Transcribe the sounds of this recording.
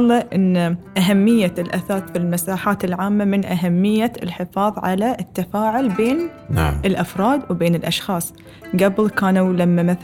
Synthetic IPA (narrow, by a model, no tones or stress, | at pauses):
lːɑʔɪnːʔaɦamːɪjːalʔa̰θaːt̪filmasaːħaːt̪ɪlʕaːmːamɪnʔaɦamːɪjːaɪ̰lħɪfɑːðˤʕalat̪ːafaːʕʊlbeːn̰ʔɪlʔɑfɾˤɑːd̪wbeːnɪlʔɑʃxɑːsˤ | ɡabɪlkaːnuwlamːama